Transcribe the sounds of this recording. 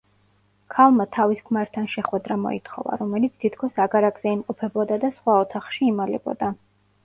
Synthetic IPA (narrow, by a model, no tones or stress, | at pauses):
kʰalˠmat̪ʰaviskʰmaɾt̪ʰanʃɛχwɛd̪ɾamɔ̰ḭt̪ʰχɔ̰va̰ɾɔmɛlit̪sʰt̪ʰit̪ʰkʰɔsaɡaɾaɡzɛimqʼɔpʰɛbɔd̪ad̪asχwaɔt̪ʰaχʃiːmalɛ̰bɔ̰d̪a